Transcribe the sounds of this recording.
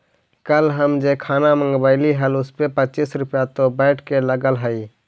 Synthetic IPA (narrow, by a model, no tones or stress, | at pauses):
kəlɦəmd͡ʒekʰanamə̃ŋɡbəɪliɦəlʊspepət͡ʃisɾʊpjat̪obə̃ɪʈʰkeləɡəlɦəɪ